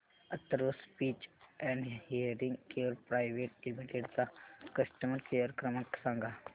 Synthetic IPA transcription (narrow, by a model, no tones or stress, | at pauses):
ɐt̪ːəɾospiːt͡ʃɛ̃ɳɖhijəɾiŋɡkeəɾpɾaːjʋeːʈlimiʈeɖt̪akəsʈəməɾkejəɾkɾəməksãːŋɡa